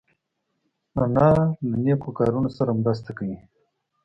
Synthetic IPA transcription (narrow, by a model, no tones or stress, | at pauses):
analaneːkokaːɾunosaɾamɾast̪akawi